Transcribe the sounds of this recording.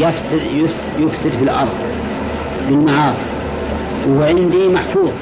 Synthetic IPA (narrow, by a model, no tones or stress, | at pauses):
jafsɪd̪jʊ | jʊfsɪd̪filʔɑɾˤðˤ | bɪnːaʕɑːsˤ | whʕɪnd̪imaħfuːð